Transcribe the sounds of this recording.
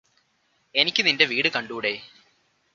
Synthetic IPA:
e̞nikʲːɨninde̞ʋiːɽɨkɐɳɖuːɽe̞ː

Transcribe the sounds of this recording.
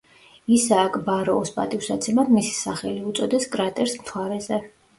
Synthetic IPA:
isaːkʰʼbaɾɔːspʼa̰t̪ʼifsat̪sʰɛmad̪misi̥saχɛliut̪sʼɔd̪ɛskʼɾat̪ʼɛɾsmt̪χʰaɾɛzɛ

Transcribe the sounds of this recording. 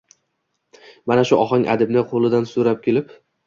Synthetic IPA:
manaʃʊʔɒχɒŋʲʔa̰d̪ɪbnɪqʰolˠɪd̪ansʊɾap̚kʲʰelɪp

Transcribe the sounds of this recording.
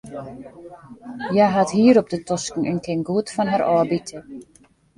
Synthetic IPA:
jaɦathiːəɾɔp̚dətɔskŋ̩ə̰nkʰɪnɡuətfɔnɦaɾɔːbitʰə

